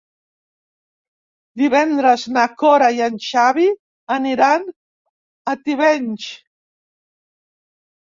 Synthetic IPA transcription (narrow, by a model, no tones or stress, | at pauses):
d̪iβɛnd̪ɾəznakɔɾajanʲʃaβi | əniɾan | ət̪iβɛnʲt͡ʃ